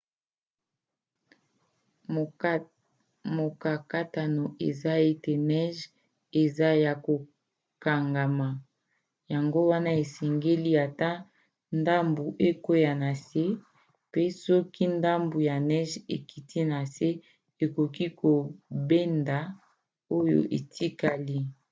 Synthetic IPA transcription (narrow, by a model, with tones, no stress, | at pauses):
mo˨ka˨ka˦ta˨no˨e˨za˦e˦te˨nɛ˦ʒ | e˨za˦ja˨ko˨ | ka˨ŋɡa˨ma˨ | ja˨ŋɡo˦wa˦na˦e˨sɛ˨ŋɡe˦li˦a˨ta˦ | nda˦mbu˨ʔe˦ko˦ja˨na˨se˦ | pe˦sɔ˦ki˦nda˦mbu˨ja˨nɛ˦ʒe˨ki˨tʰi˦na˨se˦ | e˨ko˨ki˦ko˨be˦nda˨ | o˦jo̰˨ʔe˨tʰi˦ka˨li˦